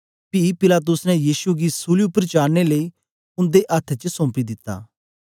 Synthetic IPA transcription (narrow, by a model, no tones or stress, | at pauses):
pipɪlaːt̪̬ʊsnɛjiːsuɡisuːliupəɾt͡ʃaːɽneləi | ʊ̃nd̪eʔɐt̪ʰt͡ʃsɔ̃ːpid̪ɪt̪ːa̰ː